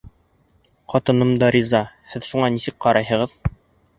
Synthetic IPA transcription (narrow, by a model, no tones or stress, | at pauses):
qɑt̪ɤ̆nɤmd̪ɑɾʲizɑhɘðʃuɴɑnisɘk̚qɑɾɑjɦɤ̆ʁɤð